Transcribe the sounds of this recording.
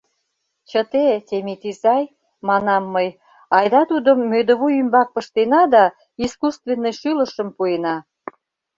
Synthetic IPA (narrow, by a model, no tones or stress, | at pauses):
t͡ɕət̪et̪ʲemit̪izɑj | mɑnɑmːəj | ɑjd̪ɑt̪ud̪əmːød̪ə̆βujymbɑk̚pə̆ʃt̪enɑd̪ɑ | iskust̪venːə̆jʃylə̆ʃə̆mpuenɑ